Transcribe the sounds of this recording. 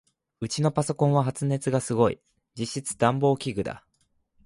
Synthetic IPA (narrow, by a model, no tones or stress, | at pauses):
ɯ̟t͡ɕino̞paso̞kõ̞ɰ̃βaɦat͡sɨne̞t͡sɨɡasɨɡo̞ḭ | d͡ʑiɕːit͡sɨ̥d̪ãmbo̞ːkʲiɡɯ̟d̪a̰